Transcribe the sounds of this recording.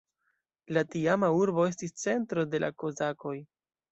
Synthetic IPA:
latiamauɾbo̞e̞s̬tist͡se̞ntɾo̞de̞lʔa̰ko̞zako̞j

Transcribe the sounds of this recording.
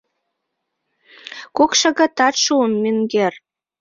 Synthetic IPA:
kokʃɤ̆ɣə̆t̪ɑt̪ʃuənmyŋɡer

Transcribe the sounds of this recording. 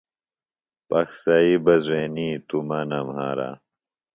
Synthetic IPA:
pɐksɐibɐzweːnit̪umɐnɐmha̰ːɾa̰

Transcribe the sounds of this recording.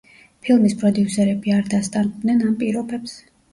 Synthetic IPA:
pʰilˠmispʼɾɔd̪iusɛɾɛbiaɾd̪ast̪ʼand̪nɛnampʼiɾɔbɛps

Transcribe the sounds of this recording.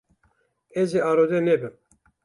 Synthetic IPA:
ɛzeɑːɾod̪ɛnɛbɨm

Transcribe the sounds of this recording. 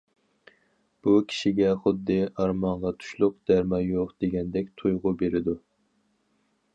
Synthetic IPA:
b̥ukʲʰi̥ʃiɡʲɛχʊd̪ːɨɑɾmɑɴʁɑt̪ʰu̥ʃlˠʊqd̪̥æɾmɑjoqd̪̥eɡʲɛnd̪ɛkʲt̪ʰujʁʊbeɾɪd̪u

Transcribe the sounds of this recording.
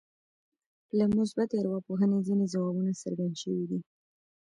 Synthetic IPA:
lamʊs̬bat̪aɾwɑpoɦənezinezawɑbunasa̰ɾɡand̪ʃəwid̪i

